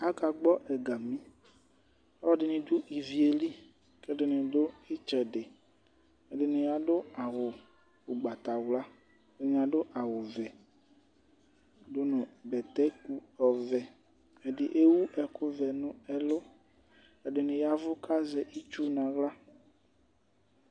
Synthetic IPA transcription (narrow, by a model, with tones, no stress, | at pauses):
a˦ka˨ɡ͡bɔ˦ʔɛ˨ɡa˨mĩ˦ | a˦lɔ˦ɖɪ˨nĩ˨d̪u˦i˨vi˨e˨li˦ | ke˦ɖɪ˨nẽ˨d̪o˦e˦t͡ʃɛ˨ɖe˨ | e˨ɖe˨nẽ˨ja˦ɖo˦a˨wo˨ | o˨ɡ͡ba˨t̪a˨wla˦ | e˦ɲã˨ɖo˦ʔa˨wo˨vɛ˨ | do˦nʊ̃˨bɛ˨t̪ɛ˦ku˦ɔ˨vɛ˨ | e˨ɖɪ˨ʔe˦wu˦ʔɛ˨kʊ˦vɛ˨nũ˦ɛ˦lo˦ | e˨ɖɪ˨nẽ˨ja˦vʊ˦ka˦zɛ˨ʔi˦t͡ʃu˦nã˨ɣla˦